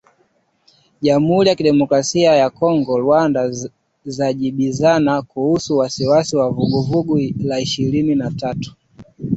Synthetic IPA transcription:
ʄam̩huɾijakiɗɛmɔkɾasiajakɔŋɡɔlwanda | zaʄiɓizanakuhusuwasiwasiwavuɡuvuɡulaiʃiɾininatatu̥

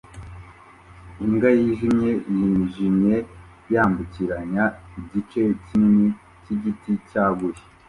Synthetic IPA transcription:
iŋɡajiʒimɲe̞jiʒimɲe̞ | jaːmbuciɾaɲaiɟit͡ʃecimini | ciɟiticaːɡuji̥

